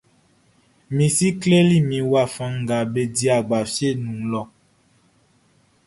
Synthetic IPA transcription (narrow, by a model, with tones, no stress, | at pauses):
mĩ˨si˦kle˦li˦˨mĩ˨wa˦˨fã˨ŋ˨ɡa˨be˨di˦a˨ɡ͡ba˨fje˦˨nũ˨ŋlɔ˨